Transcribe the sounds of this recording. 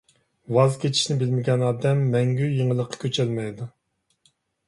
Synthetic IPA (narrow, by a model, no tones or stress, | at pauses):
wɑzkʲʰet͡ʃʰi̥ʃnɪbɪlmɪɡʲɛnɑːd̪ɛmːɛŋɡʲyjiŋəlˠəqʰːɑ̥kʲʰøt͡ʃʰɛlmɛjd̪u